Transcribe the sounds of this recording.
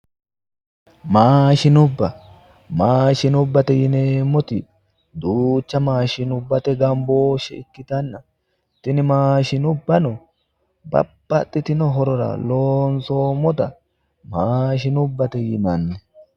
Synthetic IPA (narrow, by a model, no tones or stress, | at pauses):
maːʃɪnʊbːɐ | maːʃɪnʊbːɐt̪ɛjɪneːmːɔt̪ɪ | d̪uːt͡ʃːɐmaːʃɪnʊbːɐt̪ɛɡɐmboːʃːɛɪkːɪt̪ɐnːɐ | t̪ɪnɪmaːʃɪnʊbːɐnɔ | bɐ̰b̥ːɐt̪ʼːɪt̪ɪnɔɦɔɾɔɾɐ̰loːnsoːmɔt̪ɐ | maːʃɪnʊbːɐt̪ɛjɪnɐnːɛ